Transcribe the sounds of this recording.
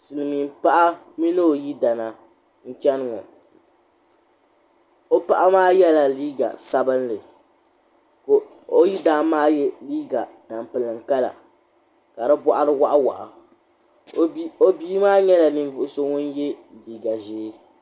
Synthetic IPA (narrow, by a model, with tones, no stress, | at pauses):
sɨ˨lɨ˨mi˨m˦pa˦ʔa˦ | mi˦nɨ˦o˨ji˦da˨na˨ | ŋ̩˦t͡ʃɛ˦nɨ˦˨ŋɔ̰˨ | o˦pa˦ʔa˦maː˦jɛ˦la˨liː˦ɡa̰˨sa˦bɨ˦nlɨ˨ | ko˨ | o˦ji˦daː˦maː˦jɛ˦liː˦ɡa˨na˨m˨pɨ˨lɨ˨ŋ˨ka˦la̰˨ | ka˨dɨ˦bɔ˦ʔa˦ɾɨ˦wa˦ʔa˦wa̰˨ʔa̰˨ | o˦biː˦maː˦ɲɛ˦la˨ni˨n˦vʊ˨ʔʊ˦so˦ŋʊ˦n˦jɛ˦ | liː˨ɡa˨ʒeː˦